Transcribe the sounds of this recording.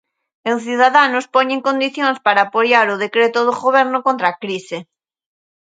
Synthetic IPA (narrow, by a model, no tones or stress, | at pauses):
eŋθjuðaðanʊspoɲẽŋkond̪iθjõŋspaɾaːpojaɾʊð̞ekɾet̪ʊðoɣoβɛɾnʊkõnt̪ɾakɾise